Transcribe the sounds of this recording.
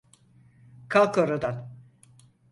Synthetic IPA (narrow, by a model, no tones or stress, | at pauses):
kʰalˠkoɾod̪an